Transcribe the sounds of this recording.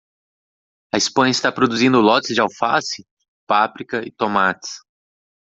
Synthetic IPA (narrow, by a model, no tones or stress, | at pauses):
ɐɪspɐ̃ɲɐɪst̪apɾod̪uzĩnd̪ʊlɔt̪ɪzd͡ʒɪawfasɪ | pafɾikɐɪt̪omat̪ɪ̥s